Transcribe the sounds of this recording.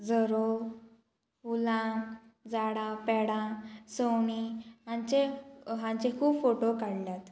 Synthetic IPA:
d͡zəɾo | ulãd͡zaɽãpɛɽãsəwɳiɦãɲt͡ɕeɦãɲt͡ɕekʰuːbfoʈokaɽljat̪

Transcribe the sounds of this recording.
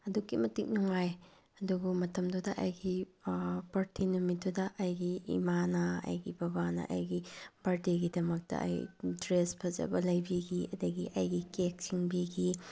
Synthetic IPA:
ɐdukːimɐtik̚nuŋaj | ɐduɡumɐtɐmdudɐʔɐjɡi | pɐɾtʰinumidudɐʔɐjɡiḭmanɐɐ̰jɡibɐbanɐ̰ʔɐ̰jɡib̥ɐɾdeɡidɐmɐk̚tɐ̰ʔɐ̰jdɾespʰɐzɐ̰bɐlɐjbiɡiɐdɐɡiʔɐjɡikek̚siŋbiɡi

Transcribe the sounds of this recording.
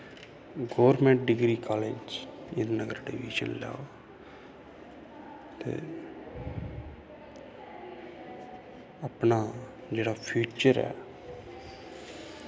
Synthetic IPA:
ɡoːʋəɾmɛ̃ːɳʈ̚ɖɪɡɾiːkaːled͡ʒɪnnəɡəɾɖiʋḭːʃə̰nlja̰ː | t̪ḛː | apnaː | d͡ʒeːɽaːpʰjuːt͡ʃəɾɛ̰ː

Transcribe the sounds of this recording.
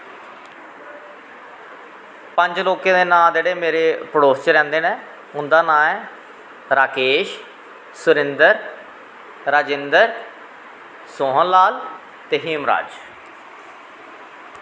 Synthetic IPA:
pə̃ɲd͡ʒloːkẽːd̪eːnãːd͡ʒeːɽeːmeːɾeːpəɽoːst͡ʃɾɛ̃ːnd̪eːnɛ̃ː | ʊnd̪aːnãːɛː | ɾaːkeːʃ | sʊɾɪ̃nd̪əɾ | ɾaːd͡ʒɪnd̪əɾ | soːɦənlaːl | t̪eɦiːmɾa̰ːd͡ʒ

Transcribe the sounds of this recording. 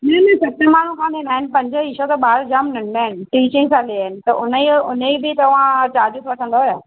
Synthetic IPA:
nɛːnɛ̃sɐt̪əmaːɳ̤ũkʰãːnenaːɪnɪ̆pɐ̃ɲd͡ʑəiʃot̪ɐɓaːɾd͡ʑaːmnɪɳd̪aːɦɪnɪ̆ʈiːt͡ɕɪ̃ŋɡsãliaːɦɪnɪ̆t̪ɐʔʊnəiʊneibɪt̪ɐʋ̤ãt͡ɕaːɾd͡ʑʊsʋɐʈʰə̃nd̪aɦojaː

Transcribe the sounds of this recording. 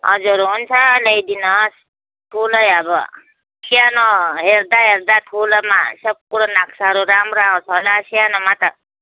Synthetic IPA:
ʌ̰d͡ʒuɾɦunt͡ʃʰaləjd̪inɔs | tʰuləjabɔ̰ | sʰijanɔɦeɾd̪aɦeɾd̪at̪ʰulama̰səb̚kuɽɔnakʰsaɾuɾamɾaɔ̃sʰɔlasianɔmat̪a

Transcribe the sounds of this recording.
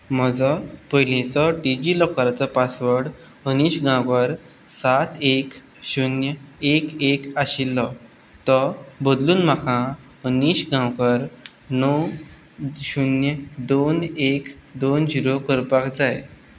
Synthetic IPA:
m̤əd͡zɔpəjlẽt͡sɔʈid͡ʑiːlɔkaɾat͡sɔpasʋəɽ | əniːɕɡʱãwkəɾ | sat̪ʰek | ɕunjəekekaɕilːɔ | t̪ɔbəd̪luːnm̤akʰã | əniːɕɡʱãwkəɾ | nɔ | ɕunjəd̪onekd̪ond͡ʑiɾokəɾpakd͡zaje

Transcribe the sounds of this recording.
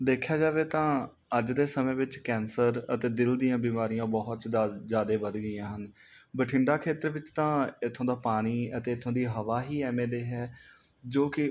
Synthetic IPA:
d̪eːkʰjaːd͡ʒaːʋeːt̪ãː | əd͡ʒd̪eːsəmẽːʋɪt͡ʃkɛːnsəɾət̪eːd̪ɪld̪ijãːbiːmaːɾijãːbɔːɦt̪ːzjaːd̪eːbəd̪ɡəɪjãːɦən | bəʈʰɪ̃ɳɖaːkʰeːt̪əɾʋɪt͡ʃt̪ãːɪt̪ʰːõːd̪aːpaːɽ̃iːət̪eːɪt̪ʰːõːd̪iːɦəʋaːɦiːɛːmẽːd̪eːɦɛː | d͡ʒoːkɪ

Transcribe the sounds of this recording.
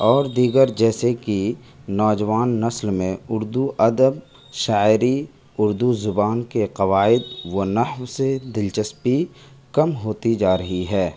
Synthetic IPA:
ɔːɾd̪iːɡəɾd͡ʒɛːseki | nɔːd͡ʒʋaːnːɐslmẽʊɾd̪uʔɐd̪əb | ʃaːɪɾi | ʊɾd̪uzʊbaːnkeqɐʋaːɪd̪ʋonɐhʋsed̪ɪlt͡ʃəspi | kɐmɦoːt̪id͡ʒaːɾɐɦiɦɛː

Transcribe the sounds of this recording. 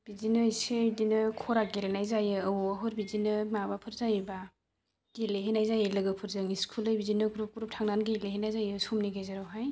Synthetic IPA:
b̥izinɯjsedinɯkʰɔɾaɡ̚eɾenajzajɯːwaɦɯɾbizinɯmabapʰɯɾzajiba | ɡileɦenajzajelɯɡɯpʰɯɾzɯŋiskʰulɯjbizinɯɡɾup̚kuɾup̚tʰaŋnanɡileɦenajzajɯsumniɡejzaɾɔɦaj

